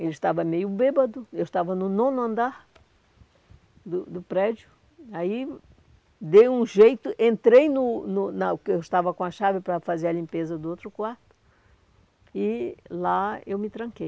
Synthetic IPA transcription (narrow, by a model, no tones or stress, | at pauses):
elɪʃt̪avɐmejʊbebɐd̪ʊewʃt̪avɐnʊnõnɐ̃nd̪aɾ | d̪ʊd̪ʊpɾɛd͡ʒjʊ | ai | d̪ejũʒejt̪ʊʔẽnt̪ɾejnʊnʊnɐkɪewɪʃt̪avɐkõɐʃavɪpɾɐfazeɾɐlĩmpezɐd̪ʊowt̪ɾʊkwaɾt̪ʊ̥ | ɪlaewmɪt̪ɾɐ̃ŋkej